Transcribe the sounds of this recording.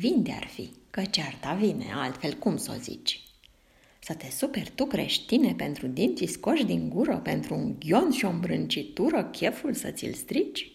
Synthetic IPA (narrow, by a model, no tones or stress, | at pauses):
vind̪ea̰rfḭkət͡ʃeart̪avine̞̰ʔalt̪fe̞lkumso̞̰zḭt͡ʃʲ | sət̪e̞supe̞rt̪ukɾe̞̰ʃt̪ine̞pe̞nt̪ɾud̪int̪sisko̞ʃd̪iŋɡuɾəpe̞nt̪ɾuuŋɡʲjo̞nʃio̞mbɾɨnt͡ʃit̪uɾəkʲe̞fulsə̰t̪sʲḭlst̪ɾit͡ʃʲ